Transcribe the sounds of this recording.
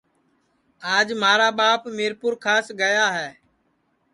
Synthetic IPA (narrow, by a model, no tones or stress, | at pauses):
aːd͡ʒmaːɾaːɓaːpmeːɾpʊɾkʰaːsɡəjaːɦɛː